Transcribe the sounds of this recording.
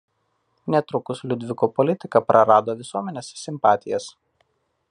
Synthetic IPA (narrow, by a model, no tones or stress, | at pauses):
nʲɛt̪ɾʊkʊslʲʊd̪ʲʋʲɪkopɔlʲɪt̪ʲɪkɐpɾʔɐɾɑːd̪oːʋʲɪsuɔmʲɛnʲeːssʲɪmpɑːt̪ʲɪjɛs